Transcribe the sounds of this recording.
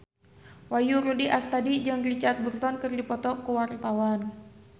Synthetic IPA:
wajuɾudiʔast̪adid͡ʒaŋrit͡ʃat̪̚burt̪ɔnkərdipɔt̪ɔkəwart̪awan

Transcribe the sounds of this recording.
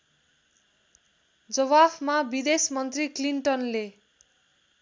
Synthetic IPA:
d͡zʌwabmabid̪esmʌnt̪rikliɳʈʌnle

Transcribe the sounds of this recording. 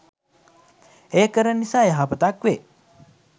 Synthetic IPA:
eːkəɾənisaːjaɦapət̪akʋe

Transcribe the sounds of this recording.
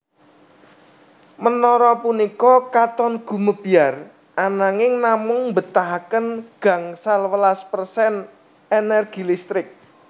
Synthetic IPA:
mənɔɾɔpunikɔkat̪ɔnɡ̥ṳməb̥iar | ʔanaŋɪŋnamʊŋmbə̤t̪aɦakənɡ̥a̤ŋsalwəlaspərsɛn | enɛrɡ̥i̤list̪ɾɪk̚

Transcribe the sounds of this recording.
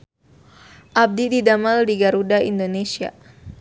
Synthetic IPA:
ʔab̚dididamaldiɡaɾudaʔḭndonesia̰

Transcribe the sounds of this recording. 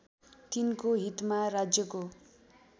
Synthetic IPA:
t̪inkoɦit̪maɾad͡zjʌko

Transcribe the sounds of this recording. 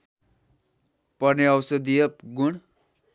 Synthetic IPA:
pʌrneʌwsʌd̪ijʌpɡuɽ

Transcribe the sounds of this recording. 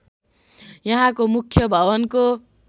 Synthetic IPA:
jʌɦãkomukʰjʌbʱʌbʌnko

